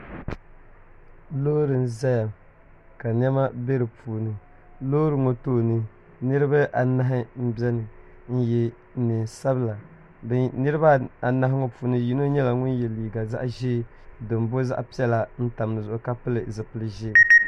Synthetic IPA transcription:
loː˦ɾɨ˨n̩˦˨za˦ja˨m | ka˨n˦ɛ˦ma˦be˦ɾɨ˨puː˨nɨ˨ | loː˦ɾɨ˨˦ŋo˨toː˦nɨ˦ | nɨ˦ɾɨ˦ba˦ʔa˨na˦ɦɪ˦m̩˦bɛ˦nɨ˨ | n̩˦jɛ˦ | nɨ˨n˨sa˦bɨ˦la˨˦ | nɨ˦ɾɨ˦ba˦a˨na˦ɦɪ˦ŋo˨pu˨nɨ˦ji˦no˦ɲɛ˦la˨ŋʊ˦njɛ˨liː˨ɡa˨za̰˦ʔʒɪː˦ | dɨ˨m˨bo˦za̰˦ʔpi˦ɛ˦la˨n̩˦ta˨m˨nɨ˨zʊ˨ʔʊ˨ka˦pɨ˦lɨ˨zɨ˨pɨ˨lɨ˨ʒɪ˦˨

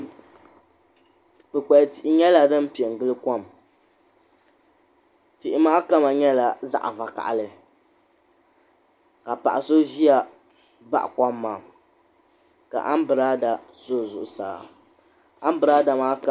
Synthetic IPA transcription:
k͡pɨ˨k͡pɛ˨ti˨ʔɪ˨ɲɛ˦la˨dɨ˦m˦pi˨ɛ˨ŋ˨ɡɨ˦lɨ˦kɔ˦˨m | ti˨ʔɪ˨maː˦ka˦ma˨ɲɛ˦la˨za̰˦ʔa˨va˨ka̰˨ʔa˨lɨ˨ | ka˨pa̰˨ʔa˨so˦ʒi˦a˨ | ba̰˦ʔka˦mː˦aː˨ | ka̰˨ʔa˦m˦bɨ˨ɾa˦da˨zo˦˨zʊ̰˨ʔʊ˨sa̰ː˨ | a˦m˦bɨ˨ɾa˦da˨maː˦ka˦

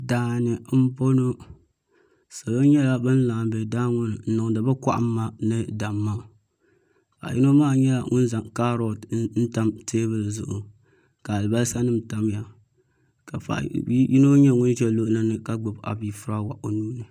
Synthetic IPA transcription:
daː˨nɨ˨m̩˦bo˦no˦ | sa˨lo˦ɲɛ˦la˦bɨ˦n˦laː˨m˨bɛ˨daː˦ŋʊ˦n˨n̩˦nɨ˨ŋ˨dɨ˨ba˦kʷa̰˦ʔa̰˦mː˦a˦nɨ˦da˨mːa˦˨ | fa̰˨ji˦no˦maː˦˨ɲɛ˦la˨ŋʔʊ̰˦n˦za˨ŋka˦ɾo˦˨dn̩˦ta˦mteː˦bɨ˨lzʊ˦ʔʊ˨ | ka˨lɨ˨ba˦lsa˦nɨ˦m˨ta˦m˦ja˨ | ka˨fa̰˨ʔbji˦no˦ɲɛ˦ŋʊ˦n˦d͡ʒɛ˦lo˦ʔla˦nɨ˦ka˦ɡ͡bɨ˨ba̰˨bi˦fʊ˦ɾa˦wa˨ʔo˨nuː˦nɨ˨

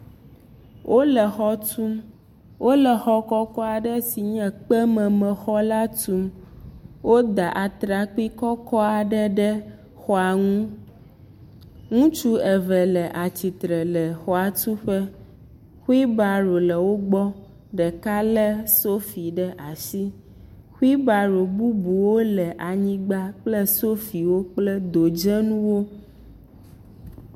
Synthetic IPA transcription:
wʔo˦lɛ˨xɔ˦t̪u˦m | wo˦lɛ˨xɔ˦kɔ˦kɔ˦a˨ɖɛ˦si˨ɲɛ̃˨k͡pɛ˦mɛ̃˨mɛ̃˨xɔ˦la˦t̪u˨m | wo˦d̪a˨ʔa˨t̪ɾa˨k͡pi˦kɔ˦kɔ˦a˨ɖɛ˦ɖɛ˦ | xɔ˦a˨ŋũ˦ | ŋũ˦t͡ʃu˦ɛ˨vɛ˨lɛ˨ʔa˨t͡ɕi˨t̪ɾɛ˨lɛ˨xɔ˨a˨t̪u˦ɸɛ˦ | xu˦i˦ba˨ɾo˨lɛ˨wo˦ɡ͡bɔ˦ | ɖɛ˨ka˦lɛ˦so˦fi˨ɖɛ˦ʔa˨si˦ | xu˦i˦ba˨ɾo˨bu˦bu˨wo˦lɛ˨ʔa˨ɲĩ˦ɡ͡ba˦k͡plɛ˦so˦fi˨wo˦k͡plɛ˦d̪o˨d͡ʒɛ˦nũ˦wo˦

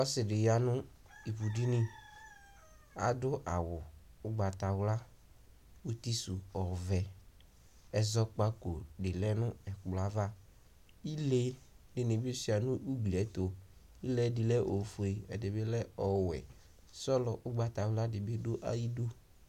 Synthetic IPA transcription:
ɔ˦sɪ˨ɖɪ˨ja˨nʊ̃˦ | i˨bu˨di˦nɪ̃˦ | a̰˨dʊ˦ʔa˨wʊ˨ | ʊ˦ɡ͡ba˨t̪a˨wla˦ | u˦t̪i˦su˨ɔ˨vɛ˨ | ɛ˨zɔ˦k͡pa˦ko˨dɪ˨lɛ˦nʊ̃˦ɛ˨k͡pla˨va˦ | i˦le˦ | nɪ˨nɪ˨bi˦si˨˦a˨nʊ̃˦ʔu˦ɡ͡bli˨ɛ˨˦t̪o˨ | i˦lɛ˦dɪ˨lɛ˦ʔo˨fu˨e˨ɛ˨dɪ˨bɪ˦lɛ˦ɔ˨wɛ̰˨ | sɔ˦lɔ˨ʔʊ˦ɡ͡ba˨t̪a˨wla˦dɪ˨bɪ˦dʊ˦ʔa̰˦ji˦do˦

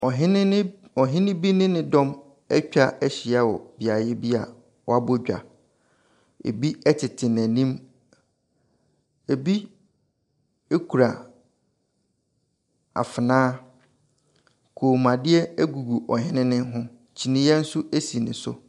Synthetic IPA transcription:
ɔ˨ɦɪ˦nɪ̃˦ɔ˨ɦɪ̃˦nɪ̃˦bi˦nɪ̃˦nɪ̃˦dɔ̃˦m | ɛ˦t͡ɕᶣa˦ɛ˦ɕɪ˨a˦wɔ̰˨bi˨a˨jɪ˦bi˦a˨ | wɔ˨a˦bo˦d͡ʑᶣa̰˨ | ḛ˨bi˦ɛ˦tʰɪ˨tʰɪ˨n˨æ˨nĩ˦m | e˨bi˦ | e˦kʰu˨ɾa˨ | a̰˨fɪ˨nãː˦ | kʰoː˨mã˨dɪ˦ɛ˦æ˦ɡu˨ɡu˨ʔɔ˨ɦɪ̃˦nɪ̃˦nɪ̃˦ɦʊ̃˦ | t͡ɕʰi˨nɪ̃˦jɛ˦n̩˦su˦ʔæ˦si˨nɪ̰̃˨sʊ̰˦

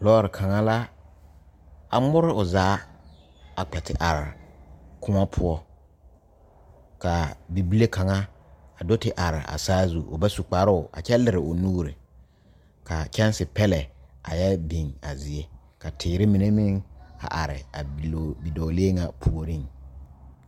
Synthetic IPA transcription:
lɔː˦ɾɪ˨kʰa˨ŋa˦la˦ | a˨mʊ˦ɾɪ˦ʊ˨zaː˦ | a˨k͡pɛ˨tɪ̰˦ʔa˨ɾɪ˨kʰʊ˦ŋa˦pʰʊ˦ɔ˦ | ka˨bi˨bi˦le˦kʰa˨ŋa˦ | a˨do˦tɪ˨ʔa˨ɾɪ̰˨ʔa̰˨saː˦zu˦ʔʊ̰˨ba˦su˨k͡pa˨˦ɾʊ˦ʊ˨ʔa̰˨t͡ʃɛ˦lɪ˨ɾɪ˨ʊ˨nuː˦ɾɪ˨ | ka˨t͡ʃɛ˦n˦sɪ˨pɛ˦lɛ˨a̰˨jɛ˦bi˨ŋa˨zɪ˨e˦ | ka˨tʰɪː˨ɾɪ˦mɪ˨ne˦mɪ˦ŋa̰˨ʔa˨ɾɪ̰˨a˨bi˨doː˨leː˦ŋa˨pʰu˨o˨ɾi˦˨ŋ

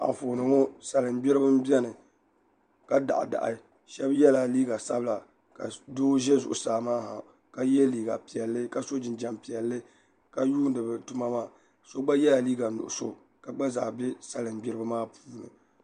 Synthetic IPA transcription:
a̰˨ɱ˨fo˨nɨ˨ŋɔ˦sa˨lɨ˨m˦bi˦ɾɨ˦bɨ˦m˦bɛ˦nɨ˨ | ka˦da̰˨ʔda̰˨ʔɨ̰˨˦ | ʃɛ˦bjɛ˦la˨liː˦ɡa˨sa˦bɨ˦la˨ | ka̰˨doː˦ʒɛ˦zʊ˨ʔʊ̰˨saː˨maː˦ha̰˨ | ka˦jɛ˦liː˨ɡa̰˨pi˨ɛ˨lːɨ˦ka˨so˦d͡ʒɪ˨nd͡ʒa˨mpi˨ɛ˨lːɨ˦ | ka˨juː˦n˦dɨ˨bɨ˨tu˦ma˦maː˦ | so˦ɡ͡ba˦jɛ˦la˨liː˦ɡa˨nʊ̰˨ʔʊ˨so̰˨ | ka˨ɡ͡ba˦zaː˨bɛ˦sa˨lɨ˨mbɪ˦ɾɨ˦bɨ˦maː˦puː˦nɨ̰˨

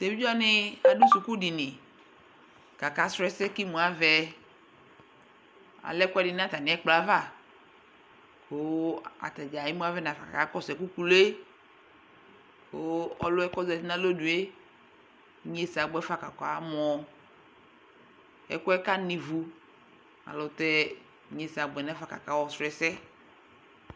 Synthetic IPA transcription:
t̪e˨vi˦d͡ʒɔ˦nɪ˦a˨du˦su˨ku˦di˨nɪ̃˨ | ka˨ka˨˦sɾɛ˦sɛ˦ki˦mũ˨a˦vɛ˨ | a̰˨lɛ˦kʊ˦ɛ˦dɪ˨n˦a˦t̪a˨nɪ̃˨˦ɛ˦k͡pla˦va˦˨ | ko˨˦a̰˨t̪a˨d͡ʒa˨i˦mũ˦a˦vɛ˦nã˨fa˨ka̰˨ka˨˦kɔ˦sɛ˨ku˦ku˦le˦ | ko˨˦ɔ˦lʊ˦ɛ˦kɔ˦zɛ˨ti˦nã˦lo˦du˨e˦ | ɲe˦sa˨ɡ͡bɔ˨˦ɛ˦fa˨ka˨kɔ˨a˨˦mɔ˨ | ɛ̰˦kɔ˦ɛ˦ka˦nĩ˨vu˨ | a̰˨lɔ˨t̪ɛ˦ | ɲe˨sa˨ɡ͡bɛ˨nã˦fa˨ka̰˨ka˦wɔ˦sɾɛ˦sɛ˦

